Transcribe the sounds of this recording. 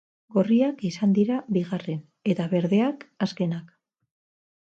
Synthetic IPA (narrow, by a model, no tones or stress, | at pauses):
ɡo̞riakisand̪iɾaβiɣare̞n | e̞t̪aβe̞ɾðe̞akaske̞nak